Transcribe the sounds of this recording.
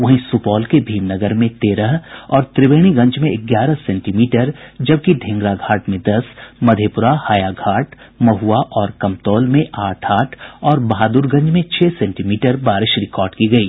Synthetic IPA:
ʋɐɦĩsupɔːlkebʱiːmnɐɡəɾmẽt̪eːɾəɦɔːɾt̪ɾɪʋeːɽ̃iɡɐ̃ɲd͡ʒmẽɪɡjaːɾəɦsɛ̃ːɳʈimiːʈəɾd͡ʒɐb̚kiɖʱɪ̃ŋɡɾaɡʱaːʈmẽd̪ɐsmɐd̪ʱeːpʊɾahaːjaɡʱaːʈʰ | mɐɦuaʔɔːɾkɐmt̪ɔːlmẽʔaːʈʰaːʈʰɔːɾbɐɦaːd̪uːɾɡɐ̃ɲd͡ʒmẽt͡ʃʰɛːsɛ̃ːɳʈimiːʈəɾbaːɾɪʃɾɪkɔːɾɖkiɡɐiː

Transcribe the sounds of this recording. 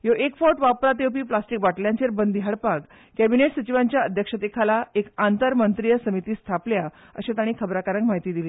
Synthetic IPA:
joʔekfɔʈʋapɾat̪ewpiːplasʈikbaʈljãɲt͡ɕeɾbənd̪ɦjaɽpak | kæbineʈsət͡ɕiʋaɲt͡ɕjaəd̪ʱjəkʂət̪ekʰalaekant̪əɾmənt̪ɾijəsəmit̪iːst̪ʰaplja | ə̰ɕat̪aɽ̃iːkʰəbɾakaɾə̃ŋkmaɦit̪iːd̪iliː

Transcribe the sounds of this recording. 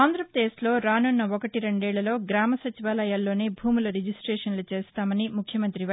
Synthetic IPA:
aːnd̪ɾɐpɾɐd̪eːslo̞ːɾaːnunːɐɔkɐʈiɾeɳɖɛːɭːɐlo̞ːɡɾaːmɐsɐt͡ʃiʋaːlɐjaːlːo̞ːneːbʱuːmulɐɾed͡ʒisʈɾeːʂɐnlut͡ʃeːst̪aːmɐnimukʰjɐmɐnt̪ɾiʋɐ

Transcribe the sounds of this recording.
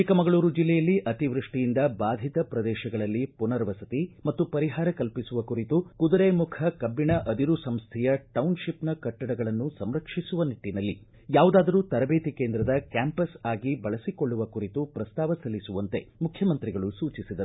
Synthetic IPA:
ikɐmɐɡɐɭuːɾud͡ʒilːɛjɐlːiʔɐt̪iʋɾuʂʈijind̪ɐbaːd̪ʱit̪ɐpɾɐd̪ɛːʃɐɡɐɭɐlːipunɐɾʋɐsɐt̪imɐt̪ːupɐɾiɦaːɾɐkɐlpisuʋɐkuɾit̪ukud̪ɐɾeːmukʰɐkɐbːiɳɐʔɐd̪iɾusɐmst̪ʰɛjɐʈɐwnʃipnɐkɐʈːɐɽɐɡɐɭɐnːusɐmɾɐkʂisuʋɐniʈːinɐlːi | jaːʋud̪aːd̪ɐɾuːt̪ɐɾɐbeːt̪ikeːnd̪ɾɐd̪ɐkjaːmpɐsaːɡibɐɭɐsikoɭːuʋɐkuɾit̪upɾɐst̪aːʋɐsɐlːisuʋɐnt̪e̞mukʰjɐmɐnt̪ɾiɡɐɭusuːt͡ʃisid̪ɐ

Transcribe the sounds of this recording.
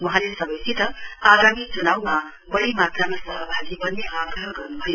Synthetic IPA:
wɔ̃ɦãlesʌbʌjsitʌaɡamit͡ʃunawma | bʌɽimat̪ɾamasʌɦəbʱaɡibʌnːeʔaɡɾəɦəɡʌɾnubʰʱʌju

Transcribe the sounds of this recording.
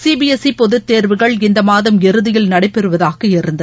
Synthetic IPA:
siːbiɛsipɔðɯt̪ːeːɾʋɯɣɐɭɪnd̪ɐmaːðɐmɛɾɯðɪjɪlnɐɽɐɪpːɛɾɯʋɐðaːɣɐɛɾɯnd̪ɐ

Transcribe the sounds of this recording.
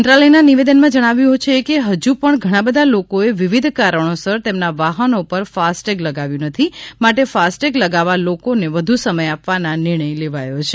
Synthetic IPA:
nʈ̪ɾaləjnaniʋed̪ənmãd͡ʒəɽ̃aʋjũɦot͡ʃʰeːkeɦəd͡ʒupəɳɡʱəɽ̃abəd̪ʱalokoeʋiʋid̪ʱkaɾəɳ̃osəɾt̪emnaʋaɦənopəɾfasʈeɡləɡaʋjũnət̪ʰimaʈefasʈekləɡaʋalokoneʋəd̪ʱusəməjapʋananɪɾɳ̃əjleʋajot͡ʃʰe

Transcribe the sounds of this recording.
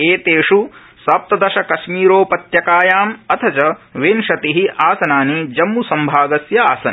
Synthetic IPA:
eːt̪eːʂu | sɐp̚t̪ɐd̪ɐʃɐkɐʃmiːɾoːpɐt̪jɐkaːjaːmɐt̪ʰɐt͡ʃɐʋeːnʃɐt̪iɦiʔaːsɐnaːnid͡ʒɐmːusɐmbʱaːɡɐsjɐaːsɐn

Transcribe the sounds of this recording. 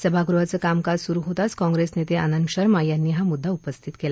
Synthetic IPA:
səbʱaɡuɾʋat͡səːkamkaɾsuɾuɦot̪at͡skɔ̃ŋɡɾesnet̪eə̰nənɕəɾmajanːiːɦamud̪ʱːaupəst̪ʰit̪kela

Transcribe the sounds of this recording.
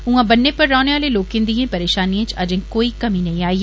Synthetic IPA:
ɦũãːbɐnːepɐɾːɔːneaːleloːkɪ̃nd̪iẽːpɐɾeːʃaːniẽt͡ʃɐd͡ʒẽkoːikɐmĩnɐɦĩaːiː

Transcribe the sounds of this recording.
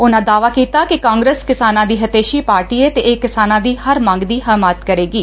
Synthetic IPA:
ʊnãːd̪aːʋaːkiːt̪aːkɪkãːŋɡɾeːskɪsaːnãːd̪iːɦət̪eːʃiːpaːɾʈiːeːt̪eːʔeːkɪsaːnãːd̪iːhəɾmãːŋɡd̪iːɦəmaːt̪kəɾeːɡiː

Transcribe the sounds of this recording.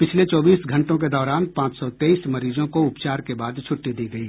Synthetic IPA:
pɪt͡ʃʰlet͡ʃɔːbiːsɡʱɐ̃ɳʈõk̬ed̪ɔːɾaːnpãːt͡ʃsɔt̪eːiːsmɐɾiːzõkoʊpt͡ʃaːɾkebaːd̪t͡ʃʰʊʈːid̪iːɡɐi

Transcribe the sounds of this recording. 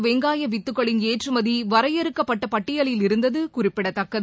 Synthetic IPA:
ʋeŋɡaːjɐʋɪt̪ːɯkːɐɭɪneːʈrɯmɐðiʋɐɾɐjɛɾɯkːɐpːɐʈːɐpɐʈːɪjɐɭɪlɪɾɯnd̪ɐðɯkʊrɪpːɪɽɐt̪ːɐkːɐ

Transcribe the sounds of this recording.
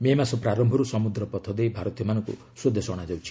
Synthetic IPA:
memasɔpɾaɾɔmbʱɔɾusɔmud̪ɾɔpɔt̪ʰɔd̪ejbʱaɾɔt̪ijɔmanɔŋkṵ | sud̪ʱesɔɽ̃ad͡ʒawt͡ʃʰi̥

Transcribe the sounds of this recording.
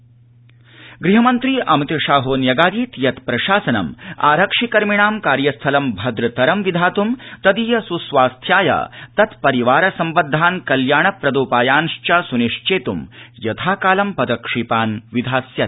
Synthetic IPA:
ɡɾiɦɐmɐnt̪ɾiːʔɐmt̪ɐʃaːɦoːnjɐɡaːd̪iːt̪jɐt̪pɾɐʃaːsɐnɐ̰ma̰ːɾɐkʂikɐɾmiɳaːmkaːɾjɐst̪ʰɐlɐmbʱɐd̪ɾɐt̪ɐɾɐmʋid̪ʱaːt̪umt̪ɐd̪iːjɐsusʋaːst̪ʰjaːjɐ̰t̪ɐt̪pɐɾiʋaːɾɐsɐmbɐd̪ʱːaːnkɐljaːɳɐpɾɐd̪oːpaːjaːnʂt͡ʃɐsuniʂt͡ʃeːt̪umjɐt̪ʰaːkaːlɐmpɐd̪ɐkʂiːpaːnʋid̪ʱaːsjɐt̪̚

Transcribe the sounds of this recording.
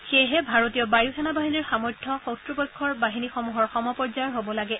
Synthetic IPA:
xeɦɛbʱaɹotijɔbajukɛnabaɦiniɹxamɔɹtʰːɔxɔtɹubɔjkʰːɔɹbaɦinixɔmuɦɔɹxɔmɔpɔɹzaɹɦobɔlaɡɛ

